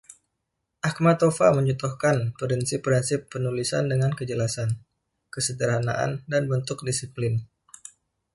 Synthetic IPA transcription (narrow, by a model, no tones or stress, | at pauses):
ʔak̚mat̪ofa̰məɲut̪uhkanpəɾinsipɾinsɪpːənulisa̰ndəŋankəd͡ʒəlasan | kəsədəɾɦana̰ʔa̰ndanbənt̪ʊk̚disiplɪn